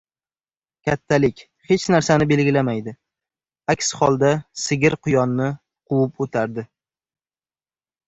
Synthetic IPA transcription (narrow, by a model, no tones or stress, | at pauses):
kʲʰat̪ʰːalɪkʲ | he̞t͡ʃnaɾsanɪbe̞lɡʲɪlamajd̪ɪ | akʲshɒlˠd̪asɪɡʲɪɾqʰʊjɒnːɪ | qʰʊwɪpot̪ʰaɾd̪ɪ